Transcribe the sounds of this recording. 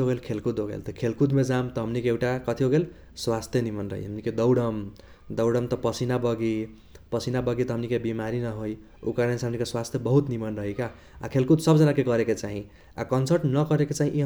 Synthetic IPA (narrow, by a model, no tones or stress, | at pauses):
oɣelkʰelkud̪oɡḛlt̪ʌkʰelkud̪med͡ʒamt̪ʌɦʌmnikeewʈakʌt̪ʰiɦoɡel | swast̪ʰjenimʌnɾʌ̰ɦḭɦʌmniked̪ʌwɽʌm | d̪ʌwɽʌmt̪ʌpʌsinabʌɡi | pʌsinabʌɡit̪ʌɦʌmnikebimaɾinʌɦoj | ukaɾensɦʌmnikeswast̪ʰjebʌɦut̪nimʌnɾʌɦika | a̰kʰelkut̪sʌbd͡zʌnakeɡʌɾeket͡ʃaɦĩ | a̰kʌnsəɾʈnʌkʌɾeket͡ʃaɦĩʔiɦ